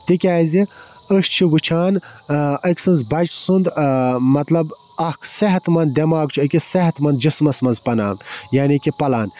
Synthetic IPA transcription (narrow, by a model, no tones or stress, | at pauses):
t̪ikʲaːzi | əʃt͡ʃʰiwɨt͡ʃʰaːn | ɐkʲsɨnzbɐt͡ʃsund̪mɐt̪lɐb | ɐhkʰsɐɦɐt̪mɐnd̪d̪ʲɐmaːɡt͡ʃʰiɐkʲisɐɦɐt̪mɐnd̪d͡ʒismɐsmɐnzpɐna̰ːmjaːnikʲipɐlaːn